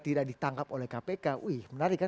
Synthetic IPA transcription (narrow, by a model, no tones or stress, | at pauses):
t̪idaʔ̚dit̪aŋkapolɛhkapekaʔuhmənaɾikːa